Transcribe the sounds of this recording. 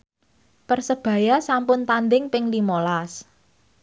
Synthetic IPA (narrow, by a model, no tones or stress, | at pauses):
pərsəb̥ä̤jasampʊnt̪and̪ɪŋpɪŋlimolas